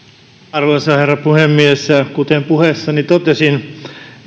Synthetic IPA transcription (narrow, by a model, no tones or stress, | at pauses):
ɑrʋoisɑherːɑpuhemːiesɑkut̪empuhesːɑnit̪ot̪esin